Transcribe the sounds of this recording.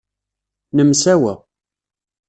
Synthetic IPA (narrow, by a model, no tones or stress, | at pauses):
nəmsæwæ̰